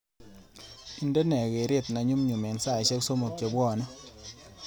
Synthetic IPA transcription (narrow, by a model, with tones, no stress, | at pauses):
i˨ndɛ˦nɛ˨ke˨ɾe˦˨tna˨ɲu˦mɲu˨me˨nsa˦˨ɕɛ˦kso˦mo˨k̚t͡ʃe˨bwɔ˦˨nɔ˦